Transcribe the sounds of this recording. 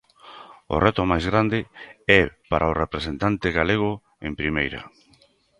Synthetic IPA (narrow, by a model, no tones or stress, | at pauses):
o̰rɛt̪ʊmajzɣɾand̪ɪɛpaɾʔaorepɾesent̪ant̪ɪɣaleɣ̞ʊ | empɾimejɾɐ̰